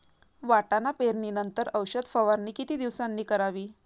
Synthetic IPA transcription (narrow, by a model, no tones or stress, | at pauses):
ʋaʈanapeɾniːnənt̪əɾəwɕəd̪fəʋaɾniːkit̪iːd̪iʋsanːiːkəɾaʋiː